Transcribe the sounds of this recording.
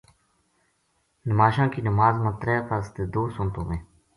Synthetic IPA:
nəmaːʃãːkiːnəmaːzmə̃ːt̪ɾɛːpʰaːst̪eːd̪oːsʊ̃nt̪õːʋẽː

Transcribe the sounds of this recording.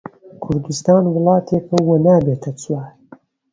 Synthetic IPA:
kʰʊɾd̪ust̪aːnwɨlˠɑːt̪ʰeːkɐwonaːbeːt̪ʰɐt͡swaːɾ

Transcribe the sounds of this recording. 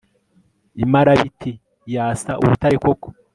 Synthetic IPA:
imaɾaβitʰi | jaːsaʔṵβutaɾikoko̥

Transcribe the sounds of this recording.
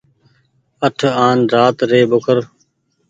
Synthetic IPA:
əʈʰaːnɾaːt̪ɾeːbʊkʰəɾ

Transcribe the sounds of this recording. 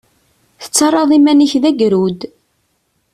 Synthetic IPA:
θə̥t͡sːɑrˤːɑðˤimæniçðæɡɾud̪

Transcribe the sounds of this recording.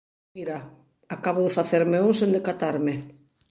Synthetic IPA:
miɾa | akaβʊðɪfaθeɾmeuŋsẽnd̪ekat̪aɾmɪ

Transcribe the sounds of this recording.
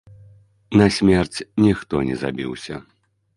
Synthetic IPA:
nɐsʲmʲɛrt͡sʲnʲixt̪ɔnʲɛ̰za̰bʲḭwsʲɐ

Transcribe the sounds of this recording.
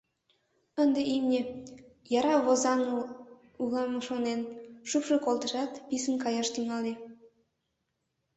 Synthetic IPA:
ənd̪eimnʲe | jɑɾɑβozɑn | ulɑmɤʃonenʃupʃokolt̪əʃɑt̪pisənkɑjɑʃt̪yŋɑli

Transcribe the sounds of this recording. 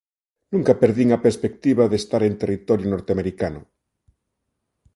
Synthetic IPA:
nũŋkapeɾðiŋapeɾspek̚t̪iβaðest̪aɾe̞nt̪e̞rit̪oɾjonoɾt̪eameɾikano

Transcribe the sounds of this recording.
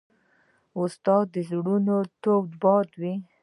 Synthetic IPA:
ost̪ɑd̪əzɽunot̪oɡd̪bɑd̪wi

